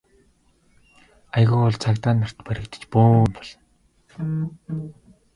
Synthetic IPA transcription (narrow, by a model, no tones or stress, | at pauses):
ajɣʊːɔɮt͡sʰakt̪aːnːar̥t̪pæɾɪ̆kt̪ə̥̆t͡ɕpoːmpɔɮ̥ɞ̆n